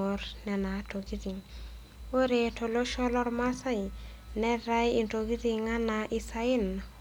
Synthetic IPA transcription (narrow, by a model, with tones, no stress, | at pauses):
o˨ɾnɛ˨na˨to˨ɡi˦ɾi˨ŋ | o˦ɾe˨to˨lo˦ʃɔ˦lɔ˦ɾma˦sa˦j | nɛ˦ɾa˦ji˨nto˨ɡi˦ɾi˨ŋa˦naʔi˦sa˦ɪ˦na